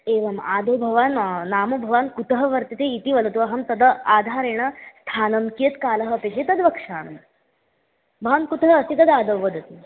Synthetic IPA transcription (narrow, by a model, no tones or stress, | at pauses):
eːʋɐma̰ːd̪owbʱɐʋaːnnaːmobʱɐʋaːnkut̪əɦɐʋɐɾt̪it̪eit̪iʋɐlɐt̪uɐɦɐmt̪ɐd̪əaːd̪ʱaːɾeɳ̃ɐst̪ʰaːnɐmkiet̪kaːlɐɦəpeɕet̪ɐd̪ʋɐkʂaːɳɐm | bʱɐʋankut̪ɦəːsit̪ɐd̪aːd̪ɐwʋːəd̪ʱɐt̪i